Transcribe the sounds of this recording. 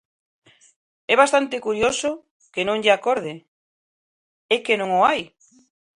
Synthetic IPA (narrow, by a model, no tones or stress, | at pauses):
ɛβ̞ast̪ant̪ekuɾjoso | kenõŋʎeakoɾð̞e | ɛkenõŋoaj